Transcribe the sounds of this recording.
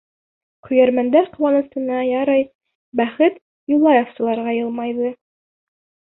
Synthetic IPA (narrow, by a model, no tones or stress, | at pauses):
qɵ̆jæɾmænd̪æɾqɤ̆wɑnɤ̆sɤ̆nɑjɑɾɑj | bæχɘt̪ | julˠːɑjofsɤ̆lˠɑɾʁɑjɤlˠmɑjðɤ